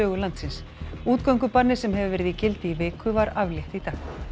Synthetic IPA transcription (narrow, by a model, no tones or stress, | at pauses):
œːɣʏlant̪sɪns | uːt̪kœwŋkʏpanɪ̥sɛmɦɛvɪvɛːɾɪðicɪlt̪ɪivɪːkʏvaɾavljɛht̪it̪aːx